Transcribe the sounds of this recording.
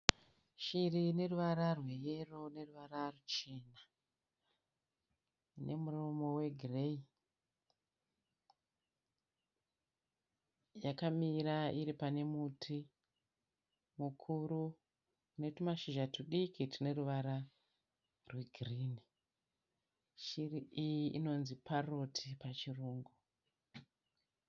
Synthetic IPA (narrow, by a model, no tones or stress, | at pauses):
ʃirine̞ruʋaɾarwe̞je̞ro̞ne̞ruʋararut͡ʃe̞na | nʔe̞murumo̞we̞ɡʱirei | jakamiɾaiɾipane̞mutʰi | mukʰuɾu | une̞tumaʃiʒatuɗikitine̞ruʋaɾa | rweɡʱriːni | ʃiriʔijiino̞nziparo̞tʰipat͡ʃiruːŋɡu